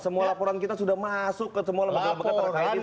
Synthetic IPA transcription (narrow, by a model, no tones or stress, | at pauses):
səmualapɔɾankit̪asudahmasʊkːəsəmualbəkəbəkət̪ːəɾkaii